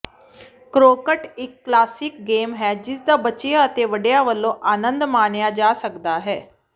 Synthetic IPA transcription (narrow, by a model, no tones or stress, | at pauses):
kɾokəʈekːlaːsik̚ɡeːmɦɛd͡ʑisd͡zabət͡ɕjəət̪eʋəɽjaʋəlːoʔaːnənd̪maɳjad͡ʑaːsəkd̪aɦɛ